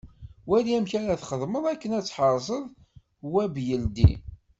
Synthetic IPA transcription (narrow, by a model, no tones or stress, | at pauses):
wæliæmçæɾaθχəðˤməðˤækːənæt͡sːħəɾˤzˤəðˤ | wæbjəld̪ḭ